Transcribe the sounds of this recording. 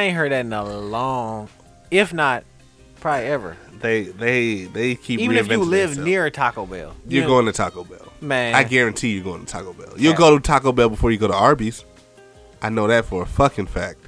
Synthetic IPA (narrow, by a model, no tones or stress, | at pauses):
ẽɪ̃nɦɜ˞d̪̚ðɨɾ̃n̩əlɔ̃ŋ | ɪfnət̚ | pʰɹ̥ɑbliɛvə̰˞ðeɪðeɪðeɪkʰipivɹiɨvɛ̃lɪvnɪɹtʰɑkoʊbɛ̰lˠjə˞ɡoʊɪ̃ŋtʰɨtʰɑkobɛ̰lˠmæ̃aɪɡɛɹɨ̃ntʰijə˞ɡoʊɪ̃tʰtʰɑ̰kobɛ̰lˠjɨlˠɡoʊɾətʰɑkolˠbɛlˠbəfɔɹjɨɡoʊɾəɑɹbiz̥ | ʔaɪnoʊðɨtfə˞əfʌkɪ̃ŋfæk̚t̚